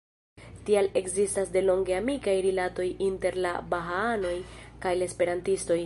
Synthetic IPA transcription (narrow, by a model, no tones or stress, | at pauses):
tiale̞kzistasde̞lo̞ŋɡe̞amikajɾilato̞jinte̞ɾla̰baɦaano̞jkajlaespe̞ɾantisto̞j